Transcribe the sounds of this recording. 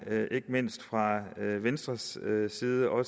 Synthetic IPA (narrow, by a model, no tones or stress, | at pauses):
ʔe̝ɡ̥əme̝n̰sd̥fʁɑ̈ʋensd̥ʁɐsːiːð̞ˠəʔɒ̽